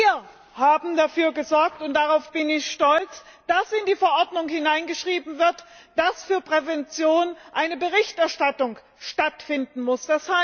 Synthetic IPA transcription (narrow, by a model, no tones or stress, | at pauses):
iːɐ | haːbm̩dafyːɐɡəzɔɐk̚tʊnt̚d̥aʁaʊfb̥ɪnɪçʃtɔlt͡sd̥asɪndiːfɛɐʔɔɐdnʊŋhɪnaɪnɡəʃʁ̥iːbm̩vɪɐtd̥asfyːɐpʁ̥ɛvɛnt͡sjoːnʔaɪnəbəʁɪçtʔɛɐʃtatʊŋ | ʃtatfɪndn̩mʊsd̥ashaɪ